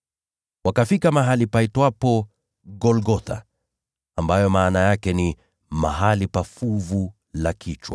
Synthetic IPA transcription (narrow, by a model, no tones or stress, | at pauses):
wakafikamaɦalipaitwapɔ | ɡɔlɡɔt̪ʰa̰ | ambajɔmaːnajakɛni | ma̰ɦalipafuvu | lakʰit͡ʃwa̰